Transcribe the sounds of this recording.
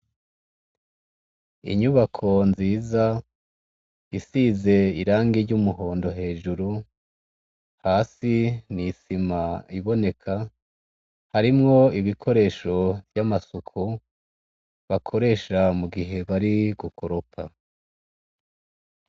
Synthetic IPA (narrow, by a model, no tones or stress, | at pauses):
ḭɲuβakʰo̞nziːza | isiːze̞iɾaːŋɡiɾɟumuɦo̞ːndo̞ɦe̞ːʒuɾu | haːsinisimaiβo̞ne̞kʰa | haɾimŋo̞iβikʰo̞ɾe̞ːʃo̞vjamasukʰu | βakʰo̞ɾe̞ːʃamuɡiɦe̞βaɾiɡukʰoɾopʰa